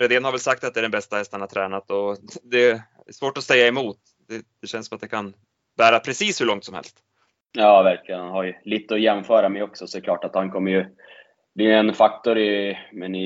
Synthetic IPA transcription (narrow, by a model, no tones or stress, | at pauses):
ɾɛd̪eːnhaɾvɛlsak̚t̪at̪d̪ɛæːɖɛnbɛst̪ahɛst̪anhat̪ʰɾɛːnat̪ɔd̪ɛ | ɛ̰ʂvoːʈɔsɛjːaɛmuːt̪ | d̪ɛd̪̥ɛɕɛnsɔmat̪̚d̪ɛkʰan | bæːɾapʰɾɛsiːshɵɭɔŋt̪sɔmhɛ̰lst̪ | jɑːvæɾklɪɡənhanhaɾjliːt̪əɔjɛmfœːɾamɛjɔksɔsɔkʰlɑːʈat̪hankʰɔmːəɾjɵ | blijɛnfak̚t̪ɔɾɪmɛnɪ